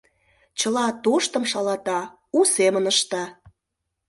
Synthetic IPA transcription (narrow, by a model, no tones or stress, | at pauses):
t͡ɕəlɑt̪oʃt̪ə̆mʃɑlɑt̪ɑ | usemənəʃt̪ɑ